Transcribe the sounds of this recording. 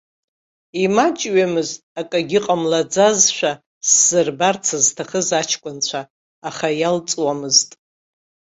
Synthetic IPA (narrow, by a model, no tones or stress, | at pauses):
imat͡ʃʼɥamɨztʼakʼaɡʲɪqʼamlad͡zazʃʷᶣa | sz̥ɨrbart͡sʰaztʰaχəzat͡ʃʰkʷʼʊnt͡ɕʷʰaː | χajalt͡sʼwamɨztʼ